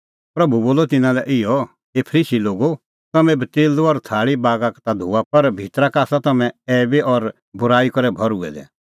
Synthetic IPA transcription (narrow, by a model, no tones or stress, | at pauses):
pɾɐbʱuboːlɔt̪ɪnãlɛʔɪjɔ | epʰəɾiːʃiloːɡo | t̪ɐmɛ̃bət̪eːlɔɾt̪ʰaːɭibaːɡakt̪ad̪ʱuːapɐɾbʱit̪ɾakaːsat̪ɐmɛ̃ɛːbeʔɔɾ | bʊɾaːikɔɾɛbʱɔɾʊɛ̰d̪ɛ̰